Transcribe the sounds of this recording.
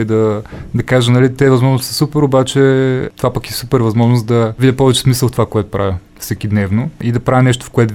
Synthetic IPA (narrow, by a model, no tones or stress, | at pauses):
id̪ɐd̪ɐkaʒənɐlit̪ɛvɐzmɔʒnost̪ssupɛɾobat͡ʃɛt̪ovapɐkɛsupɛɾvɐzmɔʒnosd̪ɐvid̪ʲəpɔvɛt͡ʃɛ̥smisəlˠft̪ovakoɛt̪ʊ̥pɾʔavʲə | fsɛkid̪nɛvnoid̪ɐpɾavʲɐnɛʃ̬t̪o̥fkoɛt̪